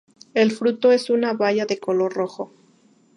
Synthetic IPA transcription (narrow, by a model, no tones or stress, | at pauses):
e̞lfɾut̪o̞e̞sunaβaʝaðe̞ko̞lo̞ɾroxo̞